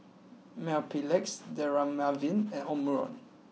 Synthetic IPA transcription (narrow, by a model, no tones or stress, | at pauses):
mɛpʰilɛksd̪ɛɹamavinɛ̃nɔmɹɔ̰n